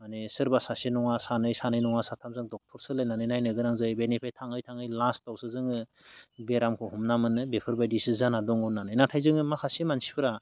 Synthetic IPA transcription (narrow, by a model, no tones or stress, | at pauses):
manesɯɾbasasinɔŋasanɯjsanɯjnɔŋasatʰamzɯŋdɔk̚tʰɔɾsɯlajnanɯjnajnɯɡɯɾaŋzɯjbenipʰajtʰaŋɯjtʰaŋɯjlastawsɯzɯŋɯ | beɾamkʰɔhumnamɯnɯbepʰɯɾbajdisizanadɔŋɔnanɯjnatʰajzɯŋɯmakʰasimansi̥pʰɯɾa